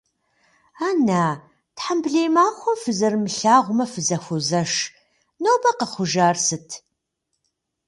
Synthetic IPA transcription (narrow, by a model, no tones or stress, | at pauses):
aːnaː | tħambɮeːjmaːxʷɔfɨzɐrmɨɬaːʁʷʊmɐfɨzɐxʷʊzɐʃ | nowbɐqɐχʷʊʒaːrsɨtʰ